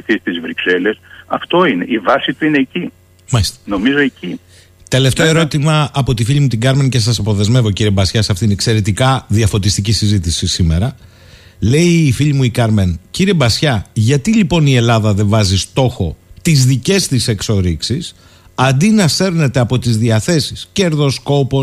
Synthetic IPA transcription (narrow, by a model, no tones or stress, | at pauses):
iθist̪izvɾikse̞le̞sɐ̰ft̪o̞ine̞ʔivɐsit̪uine̞ːci | mɐst̪no̞mizo̞eci | t̪e̞le̞ft̪e̞o̞e̞ɾo̞t̪imɐːpo̞t̪ifiʎimut̪iɡɐɾmence̞s̬ɐsɐpo̞ðe̞zme̞vo̞ciɾiebɐsçɐsɐft̪inekse̞ɾe̞t̪ikɐðiɐfo̞t̪ist̪icisizit̪isisime̞ɾɐ | le̞iːfiʎimuikɐɾmenciɾie̞bɐsçɐʝɐt̪ilipo̞nie̞lɐðɐðe̞vɐzist̪o̞xo̞t̪izðice̞st̪ise̞kso̞ɾiksis | ɐnd̪inɐseɾne̞t̪eɐpo̞t̪izðiɐθe̞sisce̞ɾðo̞sko̞po̞